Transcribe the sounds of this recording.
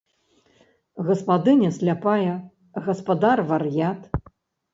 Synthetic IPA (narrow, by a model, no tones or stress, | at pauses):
ɣɐspad̪ɨnʲɐsʲlʲapajɐ | ɣɐspad̪arvɐrjat̪